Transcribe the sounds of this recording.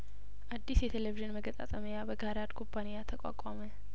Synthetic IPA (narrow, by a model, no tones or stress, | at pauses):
ʔad̪ːisjɛt̪ʰeleviʒɨnməɡət̪ʼa̰t̪ʼəməjabəɡaɾad̪kʰompʰːanijat̪ʰəkʼa̰kʼamə